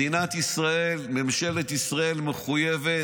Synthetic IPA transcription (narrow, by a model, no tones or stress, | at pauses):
inat̪isʁaelmemʃe̞let̪isʁae̞lmeχujeve